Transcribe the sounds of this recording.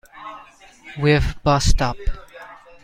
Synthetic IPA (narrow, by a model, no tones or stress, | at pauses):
wɪvbʌstʌp